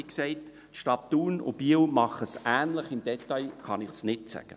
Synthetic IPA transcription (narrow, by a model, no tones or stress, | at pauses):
ksɛɪt | ʃtɑt̚d̥uːnʊ̰b̥iəwmɑχəsʔæːnləχɪmd̥̪ɛtɑɪχɑnɪχsnɪtsæ̰ɡ̥ə